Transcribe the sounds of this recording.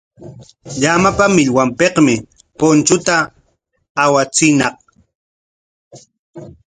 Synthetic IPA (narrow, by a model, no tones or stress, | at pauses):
ʎamapamɪʎwampeqmɪ | pont͡ʃʊt̪aː | wat͡sɪnɑq